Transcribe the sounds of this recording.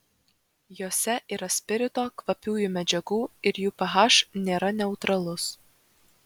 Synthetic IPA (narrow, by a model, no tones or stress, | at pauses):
joːsʲɛʔiːɾɐsʲpʲɪɾʲɪt̪oːkʋɐpʲuːjuːmʲɛd͡ʒʲɛɡuːɪɾjuːpɐɦɑːʃnʲeːɾɐnʲɛʊt̪ɾɐlˠʊs